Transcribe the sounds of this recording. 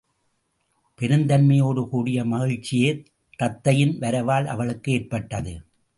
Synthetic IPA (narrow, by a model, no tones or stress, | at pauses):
pɛɾɯnd̪ɐnmɐjoːɽɯkuːɽɪjɐmɐɣɪɻt͡ʃːɪjeː | t̪ɐt̪ːɐjɪnʋɐɾɐʋaːlɐ̰ʋɐɭɯkːɯeːrpɐʈːɐðɯ̰